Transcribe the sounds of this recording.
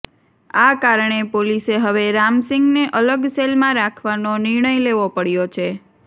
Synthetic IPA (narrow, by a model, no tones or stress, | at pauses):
akaɾɳepoliseɦəʋeɾamsɪŋɡneʔələɡselmãɾakʰʋanonɪɾɳəjleʋopəɽjot͡ʃʰe